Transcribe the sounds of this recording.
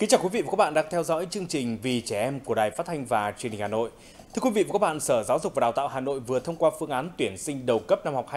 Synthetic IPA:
ki˨˦ŋt͡ɕaː˨˩wkwi˨˦vḭ˧˨aː˨˩k̚ːɓa̰ː˧˨ɗaː˨˧˩ŋt̪ʰɛ˧wzɔ̰˧˥jt͡ɕɨ˧əŋt͡ɕï˨˩ŋ̟vi˨˩t͡ɕɛ˧˩ʔɛ˧mku˧˩əɗaː˨˩jfa˦˥t̪ʰa˧jŋ̟vaː˨˩t͡ɕwi˧ə˩ni̟˨˩a˨˩no̰˧˨j | t̪ʰɨ˧ə˧kwi˧vḭ˧˨vaː˨˩kːa˦˥ɓ̰a̰ː˧˨nsəː˧˩zaː˨˦wzʊ˨˩va˨˩ɗaː˨˩wt̪a̰ː˧˨wɦaː˨˩no̰˧˨jvɨ˨˩ət̪ʰə˧wŋ͡mkwaː˧fɨ˧əŋʔaː˨˦nt̪wi˧˩ənsï˧ŋ̟ɗə˨˩wkə˦˥p̚na˧mha˨˩wk͡p̚a˧

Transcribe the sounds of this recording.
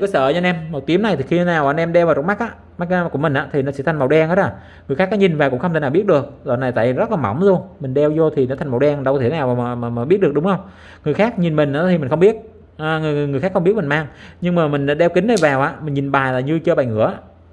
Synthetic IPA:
kːsə̰ː˧˨ɔ˧nʔɛ˧mmo˨˩t̚t̪i˨˦əmna˨˩jt̪ʰi˨˩xi˧naː˨˩wʔːnʔɛ˧mɗɛ˧waː˨˩ɾo˨˩ma˦˥k̚ʔaː˧˦ | ma˦˥k̚ːkʊ˧˩əmï˨˩ŋʔa̰ː˨˧˥t̪ʰi˨˩nɔ˨˦sɛ̰˧˥t̪ʰa˨˩ŋma˨˩wɗɛ˧ŋhaː˨˦˥t̚laː˨˩ | ŋɨ˨˩jxaː˦˥nɔː˨˧˦ɲi˨˩nvaː˨˩wkʊ̰˧˥ŋ͡mxə˧wŋ͡mt̪ʰe˧˩naː˨˩ɓət̚ɗɨ˨˩ək̚zo̰ː˨˩na˨˩jt̪a̰ː˧˨jzə˦˥t̚laː˨˩ma̰˧˩˦wŋ͡mzo˧mï˨˩ŋ̟ɗɛ˧wzo˧t̪ʰi˨˩nɔ˨˦t̪a˨˩ŋm˨˩wɗɛ˧ŋɗə˧wt̪ʰe˧˩˦naː˨˩waː˨˩aː˨˩maː˨˩maː˨˩i˦˥t̚ɗɨ˨˩əɗʊ˨˦ŋ͡mxə˧wŋ͡m | ŋɨ˨˩əjxaː˦˥k̚ɲi˨˩nmï˨˩ŋ̟ʔaː˨˦˥t̪i˨mï̟˨˩xə˧wŋ͡mɓi˦˥ət̚ | ʔːŋɨ˨˩˨ŋɨ˨˩jxaː˦˥xŋ͡mɓi˦˥t̚mï˨˩ŋmaː˧ŋɲɨ˧ŋmaː˨˩mï˨˩ŋ̟aː˨˦ɗɛ˧wkï˨˦ŋnə˨˩jvaː˨˩wʔa̰ː˧˦mï˨˩ŋ̟ɲi˨˩nɓaː˨˩jlaː˨˩ɲɨ˧t͡ɕəː˧ɓa̰˧˨jŋɨ̰˧˥əʔaː˧˦

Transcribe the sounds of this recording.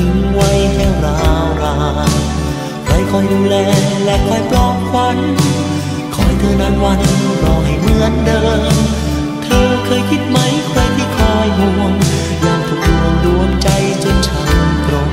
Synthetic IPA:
i˨˧˦ŋwa˧˥jhɛː˧˩wɾaː˧wɾaː˧˦ | kʰa˧˥˩jkʰɔː˧˩jluː˧lɛː˧˥lɛ˧˥ʔlɔː˧˩jplɔː˧˩p̚kʰwa˧˥n | kʰɔː˨˧˩jt̪ʰɤː˧˩na˧˩nwaː˧˩t̪ʰa˧˩nuː˧˩ɾɔː˧˩wɦa˨˩jmɯ˧˥əndɤː˧ŋ | t̪ʰɤː˧kʰɤː˧jkʰi˦˧˩t̪̚ma˦˥jkʰɾa˧jt̪ʰiː˧˥˩kʰɔː˧˩jhu˧˦ŋ | jaː˧˩ŋt̪ʰu˨˧˩k̚lu˧əndu˧ənt͡ɕa˧jt͡ɕe˧˩nt͡ɕʰa˧nkɾo˧˩

